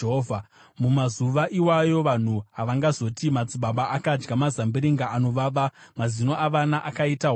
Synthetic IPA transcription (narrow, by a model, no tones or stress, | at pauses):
ɦoa | mumazuʋaʔiwajo̞ʋan̤uɦaʋaŋɡazo̞timad͡ziɓaɓaʔakad͡ʒɡamazambiɾiŋɡaano̞ʋaʋamazino̞ʔaʋanaʔakaitaɦo